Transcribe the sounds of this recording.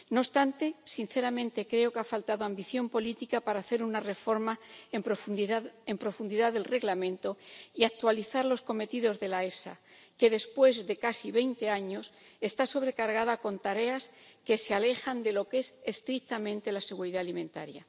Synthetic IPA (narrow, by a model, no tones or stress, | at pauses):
nost̪ant̪e̞sin̟θe̞ɾamẽ̞nt̪e̞kɾe̞o̞kafalt̪aðo̞ambiθjo̞mpo̞lit̪ikapaɾaːθe̞ɾunare̞fo̞ɾmap | empɾo̞fund̪iðaðe̞lre̞ɣlamẽ̞nt̪o̞iak̚t̪waliθaɾlo̞sko̞me̞t̪iðo̞zðe̞lae̞sa̰ | ke̞ðe̞spwe̞zðe̞kasiβ̞e̞jnt̪e̞aɲo̞s | e̞st̪aso̞β̞ɾe̞kaɾɣaðako̞nt̪aɾe̞aske̞se̞ale̞xand̪e̞lo̞ke̞se̞st̪ɾik̚t̪amẽnt̪e̞lase̞ɣuɾiðaːlimẽ̞nt̪a̰ɾja̰